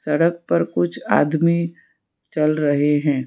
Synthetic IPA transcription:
sɐɽək̚pɐɾkʊt͡ʃʰa̰ːd̪mi | t͡ʃɐlɾɐɦeɦɛ̃ː

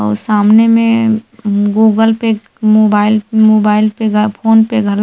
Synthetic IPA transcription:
ɔ̰saːmnemẽ | ɡuːɡəlpe | moːbaːɪlmoːbaːɪlpeɡpʰoːnpeɡʱəl

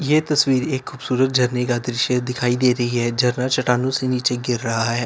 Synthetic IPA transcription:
jeːt̪ɐswiːɾeːkʰːuːbsuːɾət̪̚d͡ʒʱɐɾnekad̪ɾɪʃjəd̪ɪkʰaːid̪eːɾɐɦiɦɛːd͡ʒɐɾnat͡ʃɐʈaːnõseniːt͡ʃeɡɪɾːɐɦaɦɛː

